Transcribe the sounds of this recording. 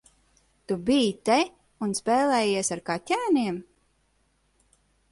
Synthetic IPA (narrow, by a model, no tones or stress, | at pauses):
t̪ubijt̪ɛ | unspɛːlˠɛːjiɛsaɾkat̪ʲæːniɛm